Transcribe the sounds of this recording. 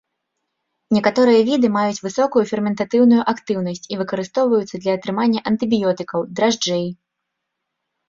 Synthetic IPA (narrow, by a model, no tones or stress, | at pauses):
nʲɛkat̪ɔɾɨjɐvʲid̪ɨmajut͡sʲvɨsɔkujufʲɛrmʲɛnt̪at̪ɨwnujuʔakt̪ɨwn̪ɐsʲt͡sʲivɨkɐɾɨst̪ɔwvɐjut̪sːɐd̪lʲɐːt̪ɾɨmanʲːɐʔɐnt̪ɨbʲijɔt̪ɨkɐwd̪ɾaʐd͡ʐɛj